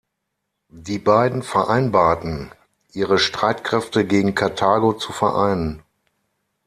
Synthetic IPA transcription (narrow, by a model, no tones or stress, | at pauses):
diːbaɪdn̩fɛɐʔaɪnbaːɐtn̩ | ʔiːʁəʃtʁ̥aɪtkʁ̥ɛftəɡeːɡŋ̩kʰaɐtʰaːɡot͡sufɛɐʔaɪnən